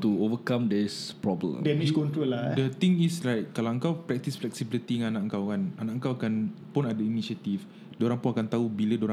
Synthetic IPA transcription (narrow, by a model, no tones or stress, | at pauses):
tuovəkãmdɛspɹɔblə̰̃mdɛmit͡ʃkɔ̃ntɾoladət̪ĩŋislajt̚kalawə̃ŋkawpɾɛk̚t̪isflɛksibilit̪iŋanaʔəŋkawkananaʔəŋkawakanpunadəiniʃət̪if | doɾãŋpunakant̪aubilədoɾã